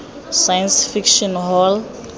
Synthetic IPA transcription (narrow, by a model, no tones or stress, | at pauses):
sajɛnsfikʃɔnɦɔl